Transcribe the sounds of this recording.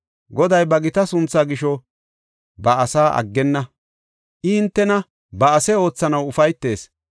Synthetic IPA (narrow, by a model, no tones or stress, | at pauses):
ɡɔd̪ɐjbɐɡɪt̪ɐsʊnt͡sːaːɡɪʃɔ | bɐɐsaːʔɐ̰ɡːɛnːɐ | ʔɪɪnt̪ːɛnɐ | bɐːsɛo̞ːt͡sːɐnɐwʊfɐjt̪ːe̞ːs